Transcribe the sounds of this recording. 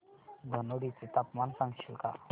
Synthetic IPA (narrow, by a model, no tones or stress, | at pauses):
d̪ʱənoɽit͡sit̪apmansãŋɡʃilka̰